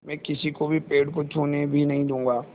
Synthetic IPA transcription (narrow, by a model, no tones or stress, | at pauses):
mɛ̃ːkɪsikobʱipeːɖkot͡ʃʰuːnebʱinɐɦĩd̪ũːŋɡaː